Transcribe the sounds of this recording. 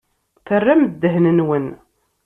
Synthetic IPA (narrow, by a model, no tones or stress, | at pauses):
θərːæməd̪ːəɦnənwən